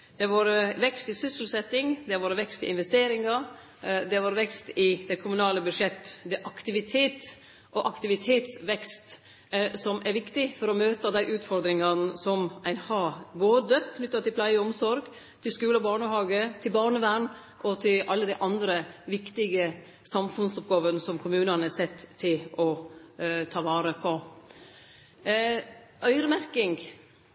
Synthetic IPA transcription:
d̪̥ɛʋɑːɾəʋɛkst̪ɪsʏsəl̩sɛt̪ːɪŋd̪ɛʋɑːɾʋɛkst̪ɪ̰ʔɪnʋɛst̪eːɾɪŋɑ | d̪ɛʋɑːɾʋɛkst̪ɪd̪ɛkʰʊmʉnɑːləbʉʂɛt̪ːd̪ɛʔɑkt̪ɪʋɪt̪ʰeːt̪ | ʔɔʔɑkt̪ɪʋɪt̪ʰeːt̪sʋɛkst̪ | sɔmʔæɾʋɪkt̪ɪfɔɾɔmøːt̪ɑd̪æɪʔʉːt̪fɔɾd̪ɾɪŋɑnəsɔmʔæɪnhɑːboːd̪əkʰnʏt̪ːɑt̪ʰɪlplæɪəɔmsɔɾɡ | t̪ʰɪlskʉːlɔbɑːɳəhɑːɡət̪ʰɪlbɑːɳəʋæːɳ | ʔɔt̪ʰɪlʔɑlːəd̪æɪʔɑnd̪ɾəʋɪkt̪ɪɡə | sɑmfʉnsɔpɡɑːʋənəsɔmkʰʊmʉːnɑnæsɛt̪ːt̪ʰːɪlɔ | t̪ʰɑːʋɑːɾəpʰɔ | ʔœʏɾəmæɾkɪŋɡ

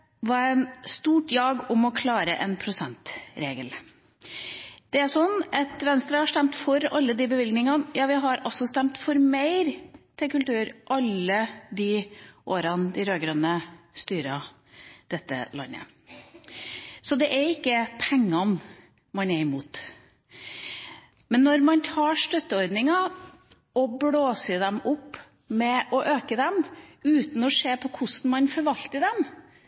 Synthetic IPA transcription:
ʋɑɾænst̪uːʈjɑːɡʊmɔkʰlɑːɾəʔɛnpʰɾʊsɛnt̪ɾeːɡəl | d̪̥ɛæʂɔnːɑt̪ʋɛnst̪ɾɑhɑʂt̪ɛmt̪fɔɾɑlːəd̪ɪbəʋɪlɡnɪŋɑnjɑːʋɪɦɑɾɔsɔst̪ɛmt̪fɔɾmeɪɾt̪ʰɪlkʉlt̪ʉːɾʔɑlːəd̪ɪʔoːɾɑnd̪ɪɾøːɡɾønəst̪yːɾɑ | d̪̥ɛt̪ːə̰lɑ̰nːə̰ | sɔd̪ɛʔæɾɪkːəpʰɛŋːɑn | mɑnɛɾɪmuːt̪ | mɛnːɔɾmɑnt̪ʰɑːʂt̪œt̪ːəɔɾd̪nɪŋɑ | ɔbɽoːsəd̪ɛmʊpː | mɛʔɔʔøːkəd̪ɛmʉːt̪n̩ɔʂeːpʰɔkʰʊsn̩mɑnfɔɾʋɑlt̪əd̪ɛm

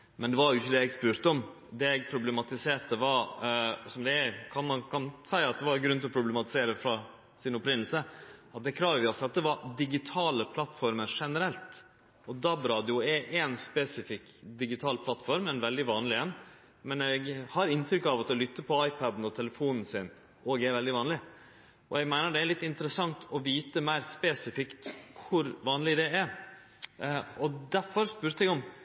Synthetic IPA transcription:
mɛnd̪ɛʋɑɾjʊɪçːəd̪ɛɛɡspʉːɾt̪əɔm | d̪ɛɛɡ̚pʰɾʊblɛmɑt̪ɪseːɾt̪əʋɑɾsɔmd̪ɛækʰɑnmɑnkʰɑnsæɪɑt̪̚d̪ɛʋɑɾɡɾʉnʰɪlɔpʰɾʊblɛmɑt̪ɪ̥seːɾəfɾɑ | sɪnɔpɾɪnːl̩səɑt̪̚d̪ɛkʰɾɑːʋʋɪɑt̪sɑt̪̚d̪ɛʋɑɾd̪ɪɡɪt̪ʰɑːləpʰlɑt̪ːfɔɾməɾʂɛnəɾɛlt̪ | ɔd̪ɑbɾɑːd̪ɪʊɛʔɛnspɛsɪfɪkd̪ɪɡɪt̪ʰɑːlpʰlɑt̪ːfɔɾmɛnʋɛld̪ɪʋɑːnlɪɛn | mɛnɛɡhɑɾɪnt̪ʰɾʏkːɑʋɑt̪ɔlʏt̪ːəpʰɔɑɪpʰɑd̪n̩ɔt̪ʰɛləfuːnn̩sɪn | ʔɔːɡɛɾʋɛld̪ɪʋɑːnlɪ | ʔɔ̰ɛɡmæɪnəɖɛæɾɭɪt̪ːɪnt̪əɾəsɑŋt̪ʰɔʋiːt̪əmæɪɾspɛsɪfɪkt̪kʰʊɾʋɑːnlɪd̪ɛæɾ | ɔd̪æɾfɔɾspʉɾt̪əɛɡɔm

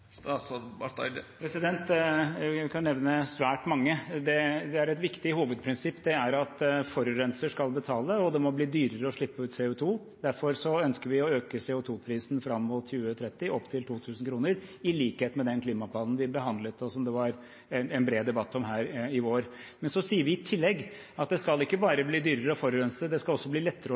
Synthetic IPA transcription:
ɑs | pʰɾɛsɪd̪ɛnt̪ | kʰɑnnɛʋnəsʋæːʈmɑŋːəd̪ɛd̪ɛæɾɛt̪ʋɪkt̪ɪhuːʋəd̪̚pʰɾɪnsɪpːd̪ɛæɾɑt̪fɔɾɾɛnsəʂkɑlbət̪ʰɑːləɔd̪ɛmɔbliːd̪yːɾəɾəɔʂɭɪpːəʉːt̪sɛʊt̪ʰuː | d̪æɾfɔɾsɔœnskəɾʋɪɔøːkəsɛːʊt̪ʰuːpʰɾiːsn̩fɾɑmːʊt̪çʉːət̪ʰɾɛt̪ːɪʔɔpːt̪ʰɪlt̪ʰuːt̪ʰʉːsn̩kʰɾuːnəɾɪliːkheːt̪mɛd̪ɛnkʰliːmɑpʰlɑːd̪n̩ʋɪbəɦɑnd̪lət̪ɔsɔmd̪ɛʋɑɾ | ɛnɛnbɾeːd̪ɛbɑt̪ːɔmɦæːɾɪʋoːɾmɛnsɔsiːəɾʋɪɪt̪ʰɪlːɛɡː | ɑt̪̚d̪ɛskɑlɪkːəbɑːɾəbliːd̪yːɾəɾəɔfɔɾʉɾɛnsəd̪ɛskɑlˠɔsːɔbliːlɛt̪ːəɾə

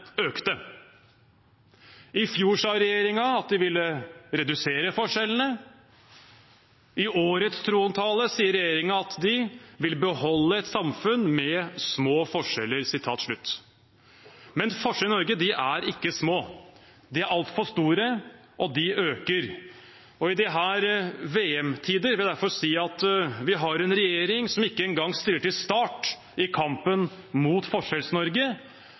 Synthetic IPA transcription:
øːkt̪ə | ɪfjuːʂɑːɾɛjeːɾɪŋɑɑt̪̚d̪ɪʋɪlːəɾɛd̪ʉseːɾəfɔʂɛln̩ə | ʔɪʔoːɾət̪st̪ʰɾuːɑmt̪ʰɑːləsiːəɾːɛjeːɾɪŋɑɑt̪d̪ɪʋɪlbəhɔlːəɛt̪sɑmfʉnmɛsmoːfɔʂɛlːəɾsɪt̪ʰɑːt̪ʂɭʉt̪ː | mɛnfɔʂɛlɪnɔɾɡəd̪ɪʔæɾɪkːəsmoː | d̪ɪæɾʔɑlt̪fɔʂt̪uːɾə | ʔɔd̪ɪʔøːkəɾ | ɔɪd̪ɪɦæːɾʋeːɛmt̪ʰiːd̪əɾʋɪld̪æɾfɔɾsiːɑt̪ʋɪɦɑɾɛnɾɛjeːɾɪŋsɔmɪkːəɛnɡɑŋːst̪yɾəʈɪlst̪ɑːʈ | ɪkʰɑmpənmuːt̪fɔʂɛlsnɔɾɡə

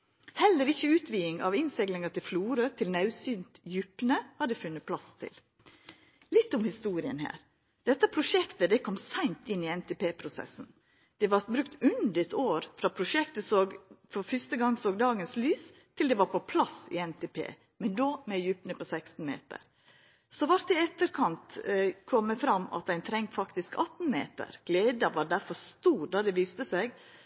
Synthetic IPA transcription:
hɛlːəɾɪçːəʉːt̪ʰʋiːɪŋɑ̰ʋɪnsɛɡlɪŋɑt̪ʰɪlfluːɾøt̪ʰɪlnɑʉsyːnt̪jʉpnəhɑd̪ɛfʉnːət̪̚pʰlɑst̪ʰɪ̰l | lɪt̪ːʊmhɪst̪uːɾɪə̰nhæ̰ːɾ | d̪̥ɛt̪ːəpʰɾʊʂɛkt̪əd̪ɛkʰɔmsæɪnt̪ɪnːɪɛnt̪ʰɛpeːpʰɾʊsɛ̰sn̩ | d̪̥ɛʋɑɾbɾʉkt̪ʉnd̪ət̪ʰoːɾfɾɑpʰɾʊʃɛkt̪əsoːɡfɔɾfʏst̪əɡɑŋːsoːɡd̪ɑːɡənslyːs | t̪ʰɪld̪ɛʋɑɾpɔpʰlɑsɪ̰ɛnt̪ʰepʰḛː | mɛnd̪oːmɛjʉːpnəpɔsɛkst̪n̩mḛːt̪ə̰ɾ | sɔʋɑɾt̪ɛɛt̪ːəɾkʰɑnt̪kʰɔmːəfɾɑmɑ̰t̪̚æɪnt̪ʰɾɛŋt̪fɑkt̪ɪskɑt̪n̩mḛːt̪ə̰ɾɡ̥leːd̪ɑʋɑɖ̪æɾfɔɾst̪uːɾd̪ɑd̪ɛʋiːst̪əsæɪɡ

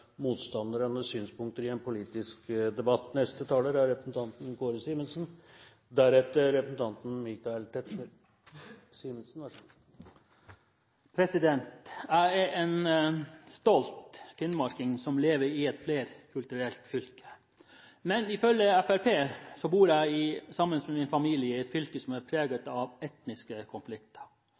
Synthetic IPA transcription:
muːt̪st̪ɑnd̪əɾənəsyːnspʊŋk̚t̪əɾɪɛnpʰʊliːt̪ɪskd̪ɛbɑt̪ːnɛst̪ət̪ʰɑːləɾæɾːɛpɾəsn̩t̪ʰɑnt̪n̩ɡoːɾsiːmənsn̩ | d̪æɾɛft̪əɾɛpɾəsn̩t̪ʰɑnt̪n̩mɪkɑɛlt̪ʰɛt̪ | simənsn̩ʋɑ | pʰɾɛsɪd̪ɛnt̪jæɪɛɾʔɛn | st̪ɔlt̪fɪnmɑɾkɪŋsɔmleːʋəɾɪɛt̪fleːɾkʰʉlt̪ʉɾɛlt̪fʏlkə̥ | mɛnɪfœlːəɛfæɾpʰeːsɔbuːɾæɪɪsɑmːənsmɛmɪnfɑmiːlɪəɛt̪fʏlkəsɔmæɾpʰɾeːɡət̪ɑʋɛt̪nɪskəkʰɔnflɪkt̪ə̥ɾ

